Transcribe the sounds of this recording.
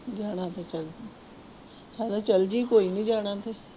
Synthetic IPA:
d͡ʒaːɽ̃at̪ʰet͡ʃɐl | halat͡ʃɐld͡ʒikoːinĩd͡ʒaːɽ̃at̪ʰe

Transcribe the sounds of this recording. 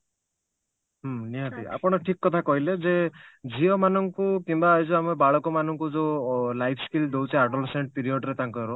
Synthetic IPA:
ɦmniɦat̪ia̰pɔɽ̃ɔʈʰikːɔt̪ʰakɔɦiled͡ʒed͡ʒiɔmanɔŋkukimbaːjd͡ʒɔamebaɭɔkɔmanɔŋkud͡ʒelajpʰskild̪ewt͡ʃʰiaɖɔleseɳʈ̚piɾiɔɖɾet̪aŋkɔɾɔ

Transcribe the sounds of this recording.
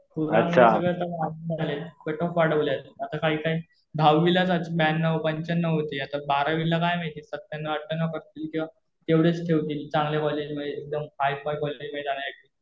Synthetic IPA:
pʰuɾəɕʰaəɡəɾt̪amand͡zaljat̪peʈɔfʋaɽʋoljat̪at̪akaɦiːkaɦi | d̪ʱaʋʋilat͡sat͡ɕibɛnːəʋpəɲt͡ɕənːəʋɦot̪iat̪abaɾaʋilakajmet̪iːsət̪ːjanːaəʈ̚ːənakəɾt̪iːlkĩw̃ʋa | t̪eʋɽet͡sʈʰeʋt̪iːlt͡sãŋɡlakɔled͡ʑməeek̚d̪əmfajfajkɔled͡ʑmed͡zaɽ̃ajakiːl

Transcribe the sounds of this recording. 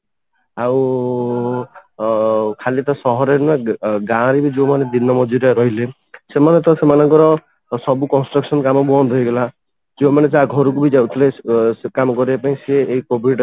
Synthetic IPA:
aw | kʰalit̪ɔsɔɦɔɾeneɡãɾibid͡ʒemaned̪inɔmɔd͡ʒiɾeɾɔɦile | semanet̪ɔsemanɔŋkɔɾɔ | sɔbukɔnsʈɾɔksɔnkamɔbɔnd̪ʱɔjɡela | d͡ʒemaned͡ʒaɡʱɔɾuk̬ubid͡ʒawt̪ʰilekamɔkɔɾiapaĩseːikobʱiɖ

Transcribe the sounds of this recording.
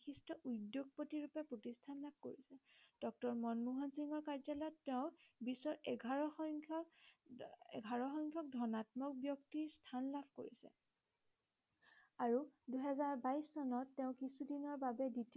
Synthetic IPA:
kʰistɔʔudjoɡ̚potiɹupɛpɹotistʰanlab̚ʱko̰ɹisɛd̥ɔk̚tɔɹmɔnmuɦansiŋɔɹkaɹzalɔɔtːeʊ̃bisɔɹɛɡʱaɹɔxʰ | ɛ̰ɡʱaɹɔxɔŋkʰjɔk̚dʱɔnatmɔk̚bjɔktistʰanlabʱko̰ɹḭsɛ̰ | aɹuduɦɛzaɹbajsːɔnɔtːeʊ̃kisudinɔɹbabɛdit

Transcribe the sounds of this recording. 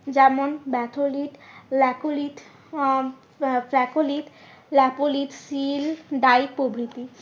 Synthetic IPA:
d͡ʑɛmonbɛt̪ʰoliʈlɛkoliʈ | plɛkoliʈ | lɛpoliʈsilɖajpobɾit̪i

